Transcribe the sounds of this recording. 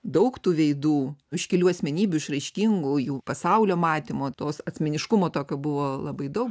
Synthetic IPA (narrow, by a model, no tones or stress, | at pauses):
d̪ɐʊkt̪uːʋʲɛɪd̪uːɪʃkʲɪlʲuːɐsʲmʲɛnʲiːbʲʊɪʃɾɐɪʃʲkʲiŋɡujuːpɐsɐʊlʲoːmɑːt̪ʲɪmoːt̪oːsɐt̪ʲsʲmʲɛnʲɪʃkʊmoːt̪oːkʲoːbʊʋoːlˠɐbɐɪd̪ɐʊk